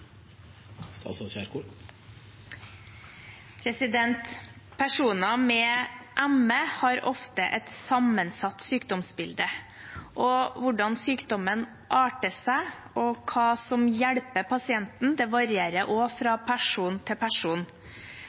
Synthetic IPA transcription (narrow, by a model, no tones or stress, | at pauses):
sɑ̰sɔsæɾku | pʰɾɛsɪd̪ɛnt̪ | pʰæʂuːnɑmɛːʔæməhɑɾɔ̰ft̪əʔɛt̪sɑmənsɑt̪ːsyːkd̪ɔmsbɪld̪ə | ʔɔʋʊɖɑnsyːkd̪ɔmən | ʔɑːʈəsæɪ | ʔɔkʰɑːsɔmjæɽpəpʰɑsɪɛnt̪n̩d̪ɛːʋɑɾɪeːɾəʔoːfɾɑːpʰæʂuːnt̪ʰɪpʰæʂuːn